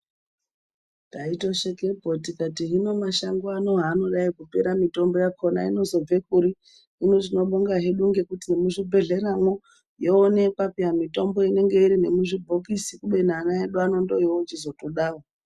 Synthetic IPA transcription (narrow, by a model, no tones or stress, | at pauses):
taito̞ʃekebʱotikatiɦino̞maʃaŋɡoano̞ɦaːno̞ɗaikupe̞ɾamito̞mbo̞jakʰo̞na̰ino̞zo̞b͡ve̞kuɾi | inoʐino̞ɓoŋɡaɦeɗuŋɡe̞kutinemuʐibʱe̞ɮe̞ɾaŋwo | joːne̞papiɦamito̞mbo̞ine̞ŋɡe̞iɾine̞muʐibʱokisikuɓe̞n̤aːnaɦeɗuano̞ndoiwot͡ʃizotoɗaːro